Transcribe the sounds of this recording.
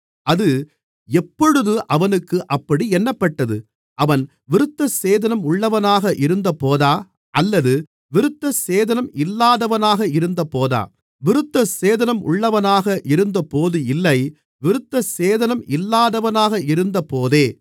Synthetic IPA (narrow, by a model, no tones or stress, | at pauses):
ʔɐðɯ | ɛpːɔɻɯðɯʔɐʋɐnɯkːɯʔɐpːɐɽiɛnːɐpːɐʈːɐðɯ | ʔɐʋɐn | ʋɪɾɯt̪ːɐseːðɐnɐmʊɭːɐʋɐnaːɣɐʔɪɾɯnd̪ɐpoːðaː | ʔɐlːɐðɯ | ʋɪɾɯt̪ːɐseːðɐnɐmɪlːaːðɐʋɐnaːɣɐɪɾɯnd̪ɐpoːða̰ː | ʋɪɾɯt̪ːɐseːðɐnɐmʔʊ̰ɭːɐʋɐnaːɣɐʔɪɾɯnd̪ɐpoːðɯɪlːɐɪ | ʋɪɾɯt̪ːɐseːðɐnɐmʔɪlːaːðɐʋɐnaːɣɐɪɾɯnd̪ɐpoːðeː